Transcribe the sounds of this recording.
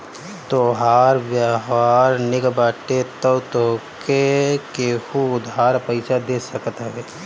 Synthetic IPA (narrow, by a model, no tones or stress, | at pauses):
t̪oɦaːɾʋjaɦʋaːɾnɪkbaːʈet̪əwt̪oːkekehuʊd̪ʱɦaːɾpəɪsad̪eːsəkt̪ɦeː